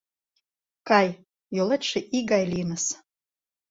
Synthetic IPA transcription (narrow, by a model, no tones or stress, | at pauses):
kɑj | jolet̪ʃĕʔiɡɑjlinəs